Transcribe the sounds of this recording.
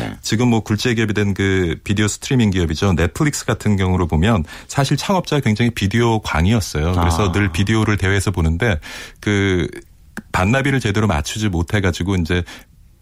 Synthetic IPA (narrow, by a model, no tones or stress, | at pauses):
t͡ɕiɡɯmːwʌkuɭt͡ɕ͈eɡiʌbidwenkɯpidiosʰɯ̥tʰɯɾimiŋɡiʌbid͡ʑone̞pʰɯɾik̚s͈ɯ̥ɡatʰɯnɡjʌŋuɾopomjʌnsʰaɕʰiɭt͡ɕʰaŋʌp̚t͡ɕ͈aakwe̞ŋd͡ʑaŋipidiokwa̰ŋiʌs͈ʌjokɯɾe̞sʰʌnɯɭpidioɾɯɭte̞weːsʰʌbonɯnde̞kɯ | panːabiɾɯɭt͡ɕe̞deɾoma̰t͡ɕʰud͡ʑimotʰe̞ɡad͡ʑiɡoind͡ʑe̞